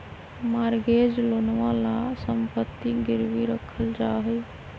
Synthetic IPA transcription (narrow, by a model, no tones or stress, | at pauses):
maɾɡed͡ʒlonʋalasəmpət̪ːiɡiɾʋiɾəkʰəld͡ʒaɦɛ